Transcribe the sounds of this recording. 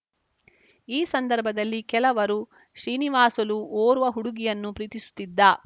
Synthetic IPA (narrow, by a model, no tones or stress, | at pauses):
iːsɐnd̪ɐɾbʱɐd̪ɐlːikɛlɐʋɐɾu | ʃɾiːniʋaːsɐluoːɾuʋɐɦuɽuɡijɐnːupɾiːt̪isu̥t̪ːid̪ːɐ